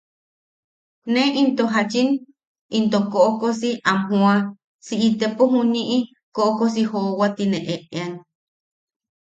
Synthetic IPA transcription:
nẽʔint̪oɦat͡ʃin | int̪okoʔokosiʔamɦũa | siʔit̪epoɦũnĩʔi | koʔokos̬ihowat̪inẽʔeʔean

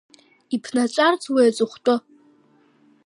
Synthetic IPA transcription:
ipʰnat͡ʃʷʼart͡sʰʼwejt͡sʼɨχʷtʼo

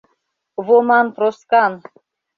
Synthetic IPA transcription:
βomɑnp̪ɾoskɑn

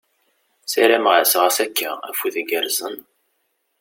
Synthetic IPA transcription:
sæɾæmʁəsʁəsækʰːææfuðəɡəɾzən

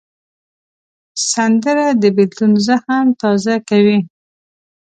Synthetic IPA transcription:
sand̪əɾad̪əbɪd̪lunzahamt̪ɑzakawi

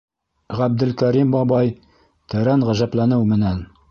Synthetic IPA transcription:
ʁæb̚d̪ɘ̆lkæɾimbɒbɑj | t̪ɘ̆ɾænʁæʒæplænɘwmɘ̆næn

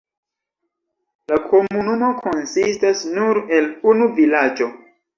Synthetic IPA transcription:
lakʰo̞munumo̞kʰo̞nsistasnuɾe̞lunuvilad͡ʒo̞

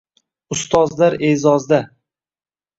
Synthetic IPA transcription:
ʊst̪ʰɒzlaɾezɒzd̪a

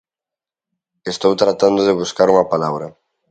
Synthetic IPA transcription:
est̪owt̪ɾat̪and̪ʊðeβ̞uskaɾumapalaβɾɐ

